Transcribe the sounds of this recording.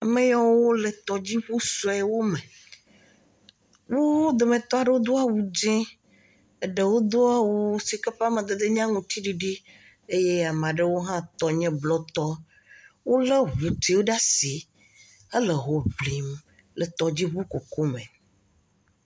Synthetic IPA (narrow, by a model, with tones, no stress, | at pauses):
a˨mẽ˦jɔ̃˦wo˦le˨t̪ɔ˨d͡ʑi˦ɸu˦so˦ɛ˨wo˦mẽ˨ | wo˦d̪o˨mẽ˨t̪ɔ˦a˨ɖe˦wo˦d̪o˦a˦˨wu˨d͡ʒɛ̃˦ | e˦ɖe˨wo˦d̪o˦a˦wu˨si˨ke˦ɸa˦mẽ˨d̪e˨d̪e˦ɲ˦ã˦ŋũ˨t̪i˦ɖi˨ɖi˦ | e˦je˦˨a˨m˨ã˨ɖe˦wo˦ɦã˦t̪ɔ˨ɲɛ̃˦blɔ˦t̪ɔ˦ | wo˦le˦ɦu˨t̪i˨wo˦ɖa˦si˨ | ə˦le˨ɦo˨vli˨m | lə˨t̪ɔ˨d͡ʑi˦βu˦ko˨ko˦mẽ˨